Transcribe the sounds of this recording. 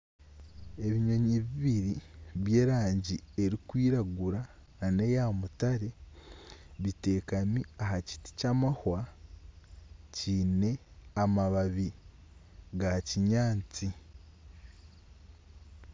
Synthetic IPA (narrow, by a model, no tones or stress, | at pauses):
e̞βiɲo̞ɲiβiβiɾiβje̞ːɾaːɲɟie̞ɾikwiːɾaɡuɾaː | ne̞jamutaɾe̞ | βite̞ːkamiaɦaci̥ti̥camahwa | ciːne̞amaβaβi | ɡaciɲaːnt͡si